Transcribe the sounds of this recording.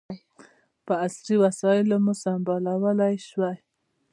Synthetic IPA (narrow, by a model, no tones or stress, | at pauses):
pəasɾiwasɑɪlomʊsambalawəlajʃwaj